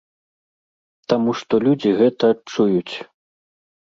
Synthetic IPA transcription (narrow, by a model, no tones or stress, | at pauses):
t̪amuʂt̪ɔlʲud͡zʲiɣɛt̪ɐːt͡ʂujut͡sʲ